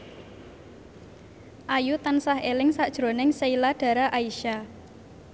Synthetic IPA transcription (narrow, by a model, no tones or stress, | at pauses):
ʔajut̪ansaɦelɪŋsaʔd̥ʒ̥ɾo̤nɪŋseilaɖ̥a̤ɾaʔaiʃa